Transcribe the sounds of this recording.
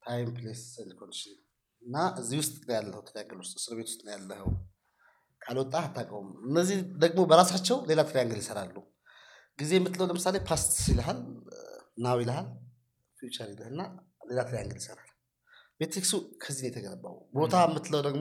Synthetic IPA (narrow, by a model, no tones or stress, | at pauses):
t̪ʰajmplesənd̪kʰond̪ʃɪn | ɨnːaʔɨzːihwʊst̪ʼnəwjalːəhəwt̪ʰəɾjaŋɡɨlwʊst̪ʼsɨɾβet̪wʊst̪ʼnəwjalːəhə̰w | kʼalwɔt̪ʼːaat̪ʰːakʼowmɨnːəzːid̪əɡmo̞bəɾasat͡ʃːɛwle̞lat̪ʰɨɾijaŋɡɨljɪsəɾalːu | ɡize̞jɛmːɨt̪ːləwləmɨsale̞pʰast̪iləɦal | nawiləɦal | fjut͡ʃʼəɾiləhɨnːa | le̞lat̪ʰɨɾjaŋɡɨd̪jsəɾal | bet̪ɾiksukʰəzːinjɛt̪ʰəɡələba̰w̰bo̞t̪ʰamːɨt̪ːləwd̪əɡm